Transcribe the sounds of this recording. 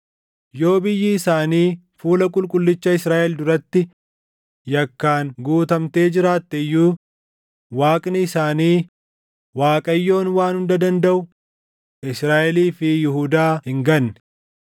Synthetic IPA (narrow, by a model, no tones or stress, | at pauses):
jo̞ːbɪjːɪːsaːniː | fuːlɐkʼʊlkʼʊlːɪt͡ʃːɐɪsɾaːʔɛld̪ʊɾɐt̪ːɪ | jɐkːaːŋɡuːt̪ɐmt̪e̞ːd͡ʒɪɾaːt̪ːɛɪjːuː | waːkʼnɪːsaːniː | waːkʼɐjːo̞ːnwaːnhʊnd̪ɐd̪ɐnd̪ɐʔʊ | ʔɪsɾaːʔɛliːfɪjɪhʊd̪aːhɪŋɡɐnːɛ̥